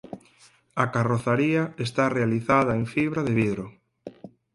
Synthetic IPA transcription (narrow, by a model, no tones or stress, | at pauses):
akaroθaɾiɐest̪arealiθaðɐeŋfiβɾaðeβiðɾʊ